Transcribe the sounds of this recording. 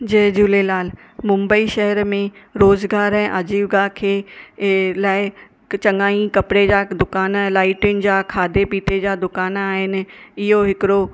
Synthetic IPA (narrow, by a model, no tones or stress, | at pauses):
d͡ʑeːd͡ʑuːlelaːl | mʊ̃mbəiʃɛɦəɾmẽɾoːzɡaːɾɛ̃ːʔad͡ʑiːʋɡaːkʰeː | laːɪ | t͡ɕɐ̃ŋɡaːĩkɐpɪɽed͡ʑaːd̪ʊkaːnlaːɪʈjʊnɪ̆d͡ʑaːkʰaːd̪epiːʈ̪ed͡ʑaːd̪ʊkaːnaːɦɪnɪ̆ɪɦoɦɪkɪɽo